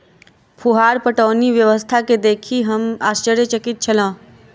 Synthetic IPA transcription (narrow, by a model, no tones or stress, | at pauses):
pʰuɦaːɾpəʈəːniʋjəʋəst̪ʰaked̪eːkʰiɦəmaːst͡ʃəɾjət͡ʃəkɪt̪̚t͡ʃʰəlãː